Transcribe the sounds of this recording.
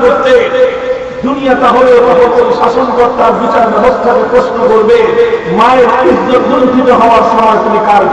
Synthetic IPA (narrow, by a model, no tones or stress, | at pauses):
koɾt̪e | d̪unijat̪aɦoleot̪apot̪onʃaʃonkɔɾt̪ːaɾbit͡ɕaɾbɛbost̪ʰakepɾoʃnokoɾbemaeɾpisd͡ʑod̪uɾot̪it̪oɦɔoaɾʃɔmɔjkʰinikaɾ